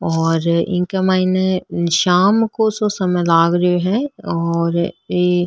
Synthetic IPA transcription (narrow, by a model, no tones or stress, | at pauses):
ɔːɾɪ̰̃nkɐmaːɪneʃaːmkososɐməjlaːɡɾeɦɛ̃ɔːɾeː